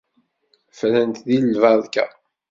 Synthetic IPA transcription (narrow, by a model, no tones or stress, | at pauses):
flənt̪ðilːvɑðkæ̰